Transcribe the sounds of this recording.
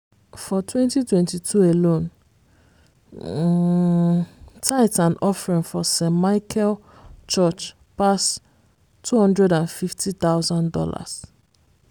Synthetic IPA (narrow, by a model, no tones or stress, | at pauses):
fɔtʰwɛ̃ntitwɛ̃ntitʰuelõn | tʰaɪtãnʔɔfɹĩnfɔsɛ̃maɪkʰɛl | t͡ʃɔt͡ʃ | pas | tʰːuhɔ̃ndɹɛdãnfiftit̪aʊzɔ̃ndɔ̰la̰s